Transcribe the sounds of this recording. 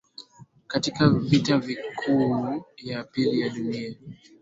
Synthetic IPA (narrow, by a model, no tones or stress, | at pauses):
katikavitavikʰujapilijaɗunia